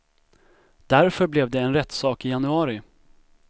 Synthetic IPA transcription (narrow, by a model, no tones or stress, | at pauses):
d̪̥æɾfœɾblɛvd̪ɛɛnɾɛt̪ːsɑːkɪjanɵɑːɾɪ